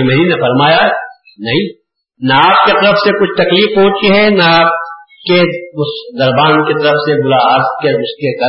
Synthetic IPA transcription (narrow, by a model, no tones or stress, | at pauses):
imɐɦɾinɐfɐɾmaːja | nɐɦĩ | naaːp̚ket̪ɐɾəfsekʊt͡ʃʰt̪ɐkliːfõːt͡ʃkeɦɛnaaːp̚ | keʊsd̪ɐɾbaːnket̪ɐɾəfsebʊɾaaːɾt̪keʊskekɐ